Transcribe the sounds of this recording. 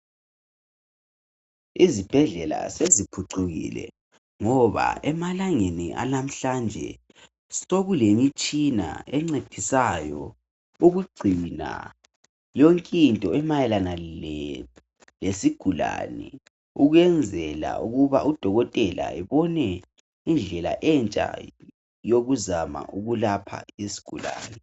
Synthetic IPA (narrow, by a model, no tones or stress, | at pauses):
izib̥ʱɛɮɛla̰sezipʰuǀuɣḭlɛ̰ | ŋɔβa̰ɛmalaŋenḭʔa̰lam̩ɬand͡ʒʱɛ | soɣulemit͡ʃʼina̰ɛŋ͡ǀed̥ʱisajɔ̰ | uɣuɡ͡ǀʱina̰ | joŋkʼintʼɔɛmajɛlana | lesiɡ̥ʱula̰ːnɛ | uɣwɛnd͡zʱɛla̰uɣuβaʔud̥ʱɔɣɔtʼɛla̰ɛβɔnɛ | ind͡ɮʱɛla̰ʔɛnt͡ʃʼa̰ | joɣuzama̰ʔuɣulapʰa̰isi̥ɡ̥ʱula̰ːnɛ